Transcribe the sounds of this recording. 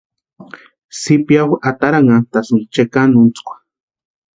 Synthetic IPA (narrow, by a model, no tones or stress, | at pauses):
sipjawat̪aɾaŋat̪asunt͡ʃekanunt͡skʷḁ